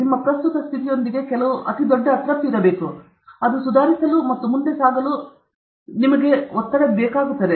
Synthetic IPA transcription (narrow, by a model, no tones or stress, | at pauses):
nimːɐpɾɐst̪ut̪ɐst̪ʰit̪ijo̞nd̪iɡe̞kɛlɐʋuʔɐt̪id̪oɖːɐɐːt̪ɾɐt̪ːuiɾɐbe̞ːku | ɐd̪usud̪ʱaːɾisɐlumɐt̪ːumund̪esaːɡɐlu | nimɐɡe̞ɔt̪ːɐɽebɛːkaːɡut̪ːɐd̪e